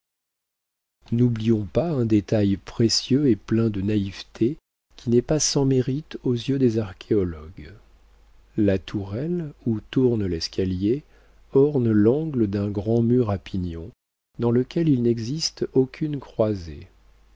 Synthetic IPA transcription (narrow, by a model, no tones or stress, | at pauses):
nublijɔ̃paɛ̃d̪et̪ajpχesjøeplɛ̃d̪ənaivt̪ʰe | kʲʰinɛpasɑ̃meʁit̪ozjød̪ezaʁkʲʰeɔlɔɡ | lat̪ʰuʁɛlut̪uʁnlɛskʰalje | ɔʁnlɑ̃ɡləd̪ɛ̃ɡʁɑ̃myʁapinjɔ̃ | d̪ɑ̃ləkʲɛlilnɛɡzist̪okʲʰynkχwazḛ